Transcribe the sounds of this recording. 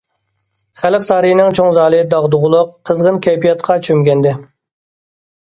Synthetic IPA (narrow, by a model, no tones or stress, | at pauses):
χælɪqsɑːɾɨjinɪŋt͡ʃʰoŋzɑːlˠɨd̪ɑʁd̪ʊʁʊlˠʊqʰːəzʁənkʲʰɛjpijɑt̪̚qʰɑt͡ʃʰømɡʲɛnd̪ɪ